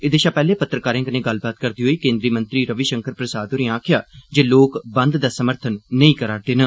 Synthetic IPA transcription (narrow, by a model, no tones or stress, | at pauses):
ɪd̪eːʃãːpɛːleːpət̪ːɾəkaːɾɪ̃ːŋkənẽːɡəlbaːt̪kəɾd̪iːɦoːiːkẽːnd̪ɾiːmə̃nt̪ɾiːɾəʋiːʃəŋkəɾpɾəsaːd̪oːɾĩãːkʰɪjaːd͡ʒeːloːkbə̃nd̪d̪aːsəməɾt̪ʰənːəĩːkəɾaːɾd̪eːnə